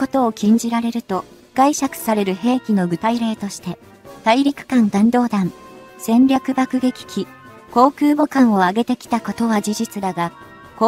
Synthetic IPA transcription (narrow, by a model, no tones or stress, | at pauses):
ko̞t̪o̞ːkʲĩɲ̟d͡ʑiɾaɾe̞ɾɯ̟t̪o̞ | ɡ̥aiɕakɯ̥saɾe̞ɾɯ̟he̞ːkʲino̞ɡɯ̟t̪aiɾe̞ːt̪o̞ɕi̥t̪e̞ | t̪aiɾʲikɯ̟̥kãnd̪ãnd̪o̞ːd̪ãn | sẽ̞nɾʲakɯ̟bakɯ̟ɡe̞kʲi̥kʲi | ko̞ːkɯ̟ːbo̞kãɰ̃o̞aɡe̞t̪e̞kʲi̥t̪ako̞t̪o̞βad͡ʑiʑit͡sɨd̪aɡa | k